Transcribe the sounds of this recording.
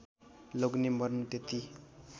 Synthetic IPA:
loɡnembʌrnut̪et̪i

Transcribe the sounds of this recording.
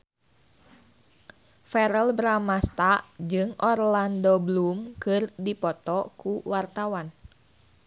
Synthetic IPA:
fɛɾəlbɾamast̪aʔd͡ʒɨŋʔɔrlandɔblumkɨrdipɔt̪ɔkuwart̪awan

